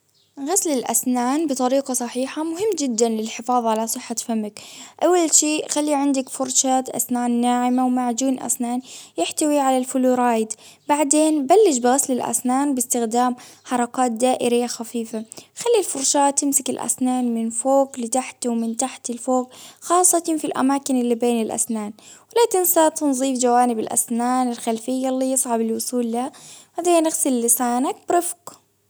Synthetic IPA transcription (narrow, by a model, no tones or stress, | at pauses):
ɣaslɪlʔa̰snaːnbɨt̪ˤɑɾiːqɑsˤɑħiːħamʊhɪmːd͡ʒɪd̪ːanlɪlħɪfɑːðˤʕalasˤɨħːafamːɪkʔawːalʃiːʔxalːiʕɪnd̪akfʊɾˤʃaːt̪ʔa̰snaːnːaːʕɪmawmaʕd͡ʒiːnʔa̰snaːnjɪħt̪awiʕalalfʊluɾˤɑːjd̪baʕd̪eːnbalːɪʃbɪɣaslɪlʔa̰snaːnbɪst̪ɪxd̪aːmħɑɾˤɑkaːt̪̚d̪aːʔɪɾɪjːaxafiːfaxalːilfʊɾˤʃaːt̪ːɪmsɪkɪlʔa̰snaːnmɪnfoːɡlɪt̪aħt̪wmɪnt̪aħt̪ɪlfoːɡxɑːsˤːɑt̪ɪnfilʔa̰maːkɪnɪlːibeːnɪlʔa̰snaːnwɪlat̪ɪnsat̪ɪnzˤiːfd͡ʒawaːnɪbɪlʔa̰snaːnɪlxalfɪjːalːiːjɨsˤʕɑbɪlwʊsˤuːlːaabaʕd̪eːnɪɣsɪllɪsaːnak̚b̥ɾɪfq